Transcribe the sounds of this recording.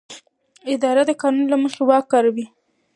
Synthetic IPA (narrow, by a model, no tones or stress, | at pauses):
ɪd̪ɑɾad̪əkɑnunlaməxewɑkːɑɾawi